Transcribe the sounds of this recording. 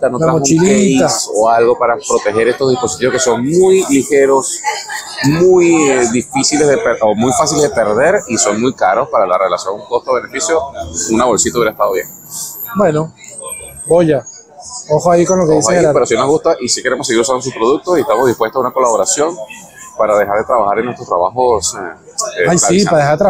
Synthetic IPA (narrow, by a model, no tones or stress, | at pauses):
t̪anot̪ɾamout͡ʃilliet̪asoalɣo̞paɾapɾo̞t̪exe̞ɾe̞st̪o̞zðispo̞s̬it̪iβoke̞soŋmujlixe̞ɾo̞s | mujðifisilezðepeɾʔomujfasileðepe̞ɾðe̞ɾiso̞ŋmujkaɾo̞spaɾalarelasjo̞ŋuko̞st̪aoβe̞nefisjounaβo̞lsit̪auβjeɾest̪aðoβjeŋ | bweno | boʝa | oxoaikonlokeðisaepeɾosinonoɦɣust̪aʔisikeɾemosːe̞ɣiɾusand̪os̬uspɾo̞ðuk̚t̪osiest̪amoðihpwe̞st̪osunako̞laβoɾasjo̞ŋ | paɾaðexaɾðe̞t̪ɾaβaxaɾenwest̪ɾot̪ɾaβaxose | eajsaipaðehaɾt̪ɾ